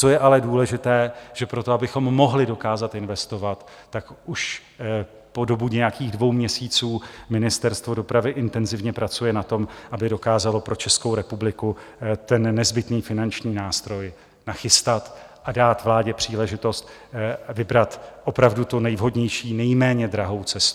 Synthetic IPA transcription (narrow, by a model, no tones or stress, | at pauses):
o̞jɛʔalɛduːlɛʒɪt̪ɛːʒ̥ɛpɾo̞t̪o̞abɪxo̞mːo̞ɦlɪdo̞kaːzat̪ɪnvɛst̪o̞vat̪ː | akʔuʃ | po̞do̞buɲɛjakiːɣdvo̞wmɲɛsiːt͡suːmɪnɪst̪ɛɾst̪vo̞do̞pɾavɪʔɪnt̪ɛnzɪvɲɛpɾat͡sujɛnat̪o̞mʔabɪdo̞kaːzalo̞pɾo̞t͡ʃɛskowɾɛpublɪku | t̪ɛnːɛzbɪt̪niːfɪnant͡ʃɲiːnaːst̪ɾo̞j | naxɪst̪at̪ | ʔadaːt̪vlaːɟɛpr̝̥iːlɛʒɪt̪o̞st̪ | vɪbɾat̪ʔo̞pɾavdut̪unɛjvɦo̞dɲɛjʃiːnɛjmɛːɲɛd̪ɾaɦo̞wt͡sɛst̪u